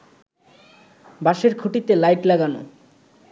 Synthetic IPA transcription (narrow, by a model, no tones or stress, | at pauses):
baʃeɾkʰuʈit̪elajʈlaɡano̰